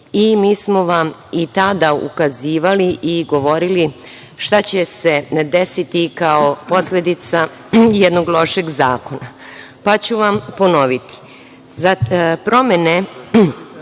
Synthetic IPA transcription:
imiːsmo̞ʋamit̪ad̪aṵkaziːʋaliʔiɡo̞ʋo̞ɾili | ʃt̪at͡ɕe̞se̞d̪esit̪ikaopo̞sled̪it̪sa | jed̪no̞ɡlˠo̞ʃe̞ɡza̰ːko̞na | pat͡ɕuʋampo̞no̞ʋit̪i̥ | zapɾo̞me̞ne

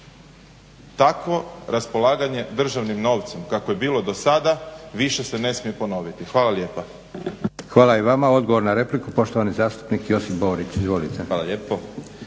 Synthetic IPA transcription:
t̪akʋo̞ɾaspo̞lˠaːɡaɲe̞d̪r̩ʒaʋnimno̞ːʋt̪se̞mkakoje̞biːlˠo̞d̪o̞sad̪aʋiʃe̞se̞ne̞smije̞po̞no̞ʋit̪ixʋaːlˠalje̞ːpa | xʋaːlaiʋamao̞d̪ɡoʋo̞ɾnaɾe̞plikupo̞ʃt̪oʋanizaːst̪u̥pnikjo̞sifbo̞ːɾit͡ʃ̪izʋoːlit̪ealaʎepo

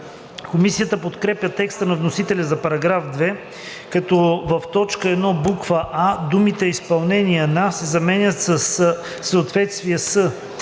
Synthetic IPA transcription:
komisijət̪əpot̪kɾɛpjʲət̪ɛkst̪ənɐvnosit̪ɛlʲɐzɐpɐɾɐɡɾafd̪vɛ | kɐt̪ɔvɐft̪ɔt͡ʃkəɛd̪nɔbukvəʔad̪umit̪ɛispɐlˠnɛniənasɛzɐmɛnʲət̪səsː | əːt̪vɛt̪st̪viəsə

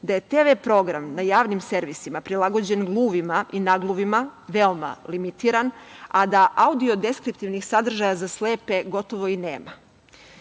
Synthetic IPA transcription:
d̪aje̞t̪eʋepɾo̞ɡɾamnajaːʋnimse̞ɾʋisimapɾilˠaɡo̞d͡ʑe̞nɡlˠuːʋimaʔinaɡlˠuʋimaʋe̞oma̰limit̪iɾanad̪aʔaud̪io̞d̪e̞skɾip̚t̪iʋnixsad̪r̩ʒajazasle̞ːpe̞ɡo̞t̪o̞ʋo̞inḛːma

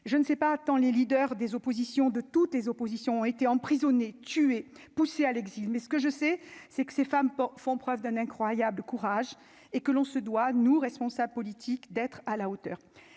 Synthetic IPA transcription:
ʒənəsɛpakɑ̃lelid̪œʁd̪ezopozisjɔ̃d̪ət̪ut̪lezopozisjɔ̃ɔ̃et̪eɑ̃pχizɔnet̪yepusealɛɡzilmɛsə̥kəʒəsɛsɛkə̥sefampfɔ̃pχœvd̪ɛ̃nɛ̃kχwajabləkuʁaʒ | ekəlɔ̃səd̪wanuʁɛspɔ̃sabləpɔlit̪ʰikd̪ɛt̪χalaot̪œːʁ

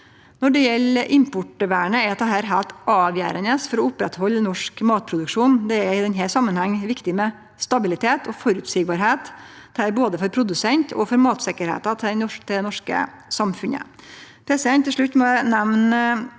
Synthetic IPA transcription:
nɔɖɛjɛlːʔɪmpʊʈəʋæːɳəɛɾɑt̪̚d̪ɛɦæːɾɦælt̪ʔɑːʋjæ̰ːɾənəsfɔɾɔʊpːɾɛt̪hɔlːnɔʂkmɑːt̪̚pʰɾʊd̪ʉkʂuːnd̪ɛæɾɪd̪ɛnɦæsɑmːənhɑŋːʋɪkt̪ɪmɛ | st̪ɑbɪlɪt̪ʰeːt̪ʰɔfɔɾʉt̪sɪɡ̚bɑːɾɦeːt̪d̪̥ɛhæːɾboːd̪əfɔɾpʰɾʊd̪ʉsɛnt̪ʰɔ̰fɔɾmɑːt̪sɪkəɾhḛːt̪ɑt̪ʰɪɔt̪ʰɪɛnɔʂkə̰ | sɑmfʉnə̰ | pʰɾɛsd̪ɛnt̪ʰːɪʂɭʉt̪ːmɔnɛʋn

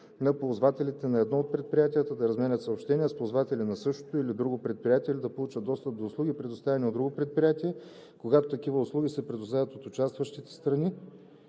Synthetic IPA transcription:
nɐpozvat̪ɛlit̪ɛnɐɛd̪nɔot̪̚pɾɛt̪̚pɾʲijat̪ijət̪əd̪ɐɾɐzmɛnʲət̪sɐopʃt̪ɛniəspozvat̪ɛlinɐsɤʃt̪o̥t̪oilid̪ɾuɡopɾɛt̪̚pɾijat̪iɛlid̪ɐpolˠut͡ʃəd̪d̪ɔst̪əp̚d̪oːslˠuɡipɾɛd̪ost̪avɛniod̪ːɾuɡopɾɛt̪̚pɾijat̪iɛ | koɡat̪ot̪ɐk̟ivəʊslˠuɡʲisɛpɾɛd̪ost̪avət̪ot̪ʊt͡ʃast̪vɐʃt̪it̪ɛ̥st̪ɾɐni

